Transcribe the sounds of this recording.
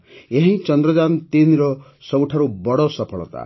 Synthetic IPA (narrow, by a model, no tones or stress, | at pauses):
eɦĩt͡ʃɔnd̪ɾɔd͡ʒant̪inɾɔ | sɔwʈʰaɾubɔɽɔsɔpʰɔɭɔ̰t̪a̰